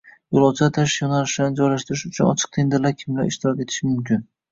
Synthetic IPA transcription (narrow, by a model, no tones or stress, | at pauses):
jolˠɒwt͡ʃʰat̪ʰaʃjɒnalɪʃɪd̪anɪd͡ʒɒjlaʃt̪ʰɪɾɪʃʊt͡ʃʰʊnɒ̰t͡ʃʰɪ̥q̚t̪ʰend̪ɪɾlaɾkʲʰɪmɡʲaɪʃt̪ʰɪɾɒkʲe̞t̪ʰɪ̥ʃɪmʊmkʲʰɪn